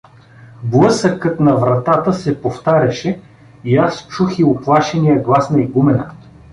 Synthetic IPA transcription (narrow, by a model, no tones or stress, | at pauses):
blˠɤsəkɤt̪nɐvɾɐt̪at̪əsɛpoft̪aɾʲɐʃɛ | iast͡ʃuxiʊplˠaʃɛnijəɡlˠasnɐiɡumɛnɐ̰